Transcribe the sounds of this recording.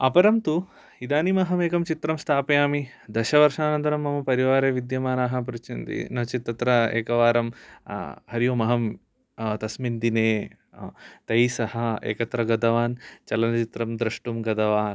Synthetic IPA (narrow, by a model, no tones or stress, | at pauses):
ɐpɐɾɐmt̪u | id̪aːnimɐɦɐmeːkɐmt͡ʃit̪ɾɐmst̪ʰaːpɐjaːmid̪ɐʃɐʋɐɾʂaːnɐnt̪ɐɾɐmːɐmɐpɐɾiʋaːɾeːʋid̪jɐmaːnaːɦɐ̆p̬ɾut͡ʃʰind̪ḭnɐt͡ʃit̪ːɐt̪ɾɐḛːkɐʋaːɾɐm | hɐɾjomɐɦɐm | t̪ɐsmind̪ineː | t̪ɐjsɐhɐ̆ḛːkɐt̪ɾɐɡɐd̪ɐʋaːnt͡ʃɐlɐnɐt͡ʃit̪ɾɐmd̪ɾɐʂʈumɡɐd̪ɐʋaːn